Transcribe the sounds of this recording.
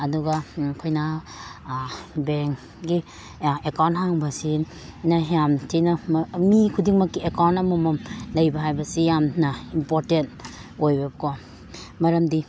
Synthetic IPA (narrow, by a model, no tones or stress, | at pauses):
ɐduɡakʰojna | beŋ | ɡi | ekawnthaŋbɐsi | naɦjamtʰinɐmikʰudiŋmɐkːiekawntɐmumɐmlɐjbɐɦajbɐsijamnɐimpoɾtentojbɐbkʰɔ | mɐɾɐmdi